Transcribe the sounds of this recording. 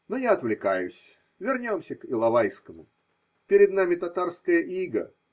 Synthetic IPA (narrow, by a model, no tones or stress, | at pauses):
nojaɐt̪vlʲɪkajʊ̰sʲ | vʲɪrnʲo̞msʲəkɪlˠɐvajskəmʊ̰ | pʲɪɾʲɪd̪namʲɪt̪ɐt̪arskəjəʔiɡə̰